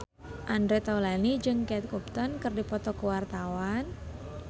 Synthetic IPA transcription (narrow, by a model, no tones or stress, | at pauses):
ʔandɾet̪aulanid͡ʒɨŋkɛt̪̚kup̚t̪ɔnkɨrdipɔt̪ɔkəwart̪awan